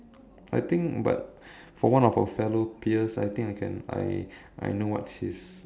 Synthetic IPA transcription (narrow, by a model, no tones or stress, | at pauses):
ajt̪ɪ̃ŋkba̰t̚ | fɔwãnɔfə̰fɛlopʰiəsa̰jt̪ĩŋkajkʰɛ̰̃na̰j | ʔa̰jnowɔ̰tʃis